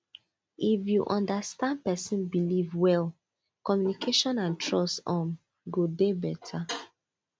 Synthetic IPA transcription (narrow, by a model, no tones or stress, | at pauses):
ifjuʔɔ̃ndastãn̚pɛsĩnbilivwɛl | kɔmjunikʰeʃɔ̃nãntʰɹɔstɔ̃m | ɡodebɛtʰa